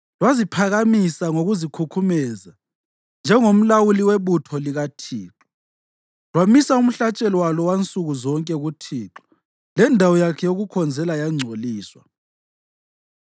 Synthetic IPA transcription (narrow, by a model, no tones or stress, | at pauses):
lwazipʰaɣamisaŋoɣuzikʰukʰumɛza | nd͡ʒʱɛŋom̩lawuliweβutʰɔliɣatʰiːǁɔ̥ | lwamisaum̩ɬat͡ʃʼɛlwalɔwant͡sʼuɣuzɔŋkʼɛɣutʰiːǁɔ̥ | lɛndʱawɔjakʰɛjoɣukʰɔnd͡zʱɛlajaŋ͡ǀʱoliːswa̰